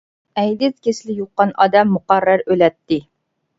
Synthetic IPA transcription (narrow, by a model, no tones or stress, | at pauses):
ɛjd̪ɪt̪̚kʲeslɪjoqːɑnɑːd̪ɛmːuqɑɾːæɾølɛt̪ːɪ